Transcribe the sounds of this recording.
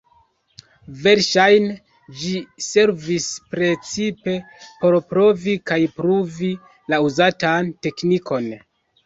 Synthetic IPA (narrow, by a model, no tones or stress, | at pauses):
ve̞ɾʃajn | d͡ʒise̞ɾvispɾe̞t͡sipe̞ | po̞ɾpɾo̞vikajpɾuvi | lauzatante̞kniko̞n